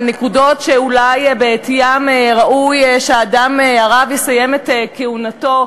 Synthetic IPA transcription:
nekudo̞tʃeulajbeet̪ijamʁaʔujʃeaːdameaʁavjesaje̞met̪keunato̞

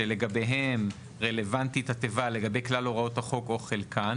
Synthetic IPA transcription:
ele̞ɡabe̞jɦem | ʁele̞vant̪itat̪evale̞ɡabe̞jklaloʁao̞taχo̞ko̞χelkʰan

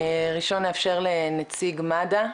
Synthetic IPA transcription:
ʁiʃo̞neafʃeʁlenat͡siɡmada

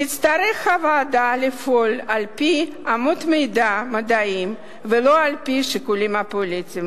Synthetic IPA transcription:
nit̪t͡st̪aɾɛxavaːd̪alifolalpi | amut̪mejd̪amad̪aim | veloalpiʃikulimapolit͡sim

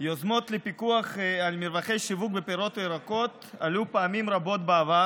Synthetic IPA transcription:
jozmo̞t̪lepikuaχalmiɾvaχejʃivuk̚bepeɾo̞t̪eɾakot̪alupaamimɾabo̞t̪̚beava

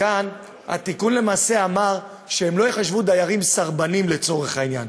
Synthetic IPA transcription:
an | ha̰t̪ikunle̞maːse̞amaʁ | ʃeemlo̞jeχaʃvud̪ajaʁimsaʁbanimle̞t͡so̞ʁe̞χhainja̰n

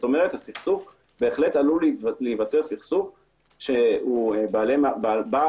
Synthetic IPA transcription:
to̞meʁ̞et̪hasiχsuf | be̞ːχle̞talullivat͡seʁsiχsuf | ʃeubaalemababa

